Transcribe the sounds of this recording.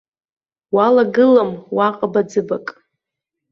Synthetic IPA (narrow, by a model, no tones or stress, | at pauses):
walaɡɨlamwaqʼabad͡zɨbakʼ